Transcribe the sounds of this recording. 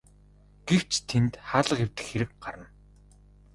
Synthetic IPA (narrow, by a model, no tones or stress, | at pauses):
ɡ̥ew̥t͡ɕt̪ʰent̪χaːɮə̆qew̥t̪ɘ̆xːeɾɘ̆k̚ɢaɾə̆n